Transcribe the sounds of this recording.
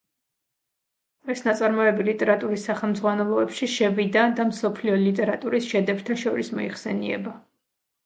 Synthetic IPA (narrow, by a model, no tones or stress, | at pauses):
ɛsnat̪sʼaɾmɔɛbilit̪ʼɛɾat̪ʼuɾisːaχɛlˠmd̪zʁwanɛlˠɔɛpʃiʃɛvid̪ad̪amsɔpʰliɔlit̪ʼɛɾat̪ʼuɾisʃɛd̪ɛbt̪ʰaʃɔɾismɔ̰ḭχsɛ̰nḭɛ̰ba